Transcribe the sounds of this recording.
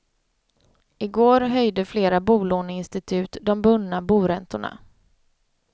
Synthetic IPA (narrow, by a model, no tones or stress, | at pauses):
ɪɡoːɾɦœjd̪əfleːɾabuːloːnəɪnst̪ɪt̪ʰʉ̟ːt̪d̪ɔmbɵnːabuːɾɛnt̪ʊɳa̰